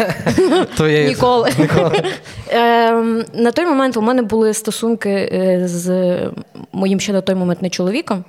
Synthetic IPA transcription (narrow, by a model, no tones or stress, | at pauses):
t̪ɔjɛnʲikɔlˠɪnʲkɔlˠ | nɐt̪ɔjmɔmɛnt̪ʊmɛnɛbʊlˠɪst̪ɔsunkɪz | mɔjimʃt͡ʃɛnɐt̪ɔjmɔmɛnt̪nɛt͡ʃɔlˠɔʋʲikɔm